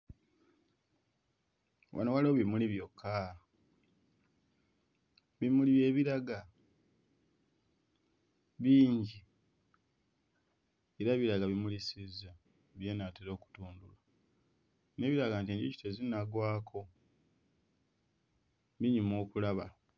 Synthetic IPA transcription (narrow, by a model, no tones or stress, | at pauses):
wʔa̰nowaloβimuliβjo̞kʰːa | βimuliβje̞ːβiɾaɡa | βiːɲɟi | eɾaβiɾaɡaβimulisiza | βje̞ːnateɾo̞ːku̥tuːndula | ne̞ːβiɾaɡaːntiːɲɟici̥tezinaɡwaːkʰo̞ | βiɲimo̞ːkulaβa